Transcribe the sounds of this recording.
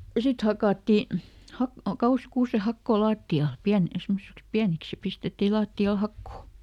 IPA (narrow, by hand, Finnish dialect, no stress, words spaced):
jɑ sit hɑkɑˑtːi hɑ kɑuhiɑ̆st kuːsehɑkːoː lɑːtːiɑl piæn semːosiks piæniks jɑ pistetːi lɑːtːiɑl hɑkːoˑ